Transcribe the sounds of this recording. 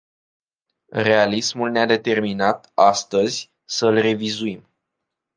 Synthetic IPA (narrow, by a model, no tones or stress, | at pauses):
re̞alismulnead̪e̞t̪e̞rminat̪ast̪əzʲ | səlre̞vizuim